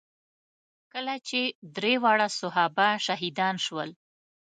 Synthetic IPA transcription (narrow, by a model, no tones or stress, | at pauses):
kəlat͡ʃed̪ɾewɑɽasʊɦɑbaʃaɦid̪ɑnʃwəl